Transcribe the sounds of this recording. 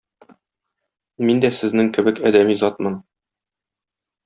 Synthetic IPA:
mind̪æsɘ̆znɘŋkɘ̆bɘkɒd̪æmizɒt̪̚mɤn

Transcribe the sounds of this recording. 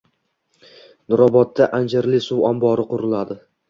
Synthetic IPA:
nʊɾɒbɒt̪ːaʔand͡ʒaɾlɪsuwambɒɾɪqʊɾɪlad̪ɪ

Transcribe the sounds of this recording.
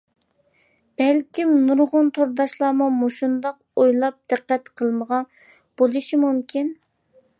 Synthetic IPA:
b̥ɛlkʲimnuɾʁʊnt̪ʰoɾd̪ɑʃlˠɑːmumoʃund̪ɑq̚ | ojlˠɑp̚d̪̥ɨqːɛt̪qʰəlˠməʁɑ | b̥olˠuʃimumkʲʰin

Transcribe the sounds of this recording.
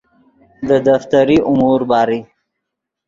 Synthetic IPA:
d̪əd̪aft̪aɾiʔʊmuɾbɑːɾi

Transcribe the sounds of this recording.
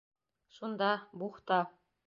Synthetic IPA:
ʃund̪ɑbuχt̪ɑ

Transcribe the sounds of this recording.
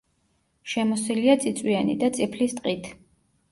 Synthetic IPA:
ʃɛmɔsiliat̪sʼit̪sʼwianḭd̪at̪sʼipʰlist̪ʼqʼit̪ʰ

